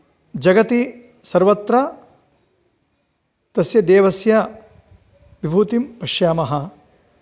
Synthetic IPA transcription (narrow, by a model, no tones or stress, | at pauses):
d͡ʒɐɡɐt̪i | sɐɾʋɐt̪ɾɐ | t̪ɐsjɐd̪eːʋɐsjɐ | ʋibʱuːt̪impɐʃjaːmɐɦɐ